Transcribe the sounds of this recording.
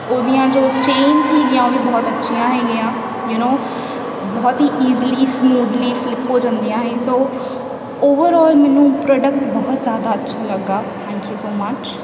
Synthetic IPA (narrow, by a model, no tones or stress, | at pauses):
oːd̪ijãːd͡ʒoːt͡ʃẽːnzɦeːɡɪjãːoːd̪ĩbɔːt̪ətːʃʰijãːɦɛːɡɪjãː | junoː | bɔːt̪ɦiːʔiːzliːsmuːd̪liːfɪlɪpːoːd͡ʒãnd̪ijãːɦeːsoː | oːʋəɾɔːlmɛːnũːpɾɔːɖək̚ʈbɔːt̪zjaːd̪aːətːʃʰaləɡːaːt̪ʰɛ̃ːŋkjuːsoːmət͡ʃ